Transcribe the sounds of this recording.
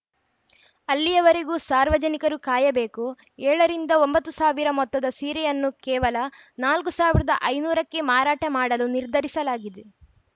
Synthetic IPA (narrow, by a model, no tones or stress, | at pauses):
ɐlːijɐʋɐɾeɡuːsaːɾʋɐd͡ʒɐnikɐɾukaːjɐbe̞ːku | ɛːɭɐɾind̪ɐo̞mbɐt̪ːusaːʋiɾɐmɔt̪ːɐd̪ɐsiːɾɛjɐnːukɛːʋɐlɐ | naːlkusaːʋiɾɐd̪ɐʔɐjnuːɾɐkːe̞maːɾaːʈɐmaːɽɐluniɾd̪ʱɐɾisɐlaːɡid̪e